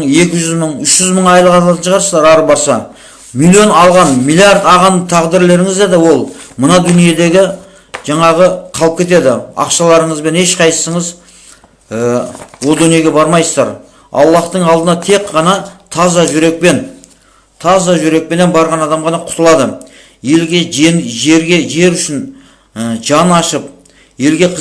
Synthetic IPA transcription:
ɴe̞kʲɪʒʏzməɴʏʃʒ̥ʏzməɴɑjlˠəʁɑt̪ɑlˠɑt̪ənʃʰʁɑɾsəzd̪ɑɾɑɾəp̚bɑɾsɑ | milʲˠijo̞nɑlˠʁɑnmilʲiaɾd̪ɑʁɑnd̪ət̪ʰɑʁd̪ɪɾle̞ɾɪŋɪzd̪ed̪ɪwo̞lˠmənɑd̪ʏnije̞d̪e̞ɡʲɪ | ʒ̥ɑɴɑʁəqʰɑlˠəp̚kʲʰe̞t̪e̞d̪ɪɑ̰qʃɑlˠɑɾəɴəzbe̞ne̞ʃqʰɑjsə̥səɴəz | əwo̞lˠd̪ʏnije̞ɡʲe̞bɑɾmɑjsəzd̪ɑ̰ɾ | ɑ̰lˠːɑχt̪əɴɑlˠd̪ənɑt̪ʰe̞kqːɑnɑt̪ʰɑzɑʒʏɾe̞k̚pe̞n | t̪ʰɑzɑʒʏɾe̞k̚pe̞ne̞nbɑɾʁɑnɑd̪ɑmʁɑnɑqʰʊt̪əlˠɑd̪ə | jelɡʲeeʒeɾɡʲe̞ʒe̞ɾʏʃɪn | ʒɑnɑʃəp̚ | je̞lɡʲe̞qʰ

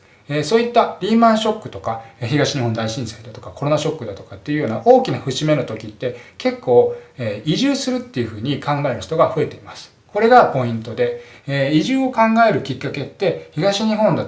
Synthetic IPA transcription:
esoːit̪ːaɾʲiːmãɰ̃ɕo̞kːɯ̟t̪o̞kaçiɡaɕiɲ̟ihõ̞nd̪aiɕĩɰ̃said̪at̪o̞kakʰo̞ɾo̞naɕo̞kːɯ̟d̪at̪o̞̥kat̪ːe̞jiɯ̟jo̞ːnaʔo̞ːkʲinaɸɯ̟ɕime̞no̞t̪o̞kʲit̪ːe̞ke̞kːo̞ːeːiʑɨːsɨɾɯ̟t̪ːe̞jɯ̟ɸɯ̟ːɲ̟ikʰãŋɡae̞ɾɯ̟çi̥t̪o̞ɡaɸɯe̞t̪e̞imasɨ̥ | ko̞ɾe̞ɡapo̞ĩnt̪o̞d̪e̞iʑɨːo̞kãŋɡae̞ɾɯ̟kʲikːake̞t̪ːe̞çiɡaɕiɲ̟iɦõ̞nd̪a

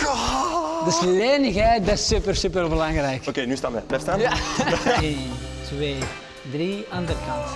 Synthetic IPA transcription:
dəsleːnəxɦɛjt̚dasypərsypərbəlaŋrɛjkokeːnystaːnmɛbɛstaːja | entʋeː | driɑndərkɑnt

